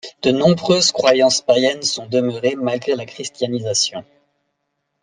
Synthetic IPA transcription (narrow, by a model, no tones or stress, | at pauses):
d̪̥ənɔ̃bʁøzkχwajɑ̃spajɛnsɔ̃d̪əmœʁemalɡʁelakχist̪janizasjɔ̃